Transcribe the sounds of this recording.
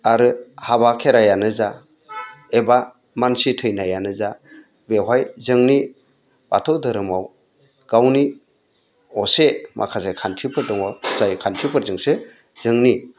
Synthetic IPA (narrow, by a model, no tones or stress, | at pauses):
aɾɯhabakʰeɾajanɯza | eba | mansitʰɯjnajanɯza | beɦajzɯŋni | b̥a̰tʰɔdɯɾɯmaw | ɡ̥awni | ɔsemʔa̰kʰasakʰantʰipʰɯɾdɔŋɔzajkʰantʰipʰɯɾzɯŋse | z̥ɯŋni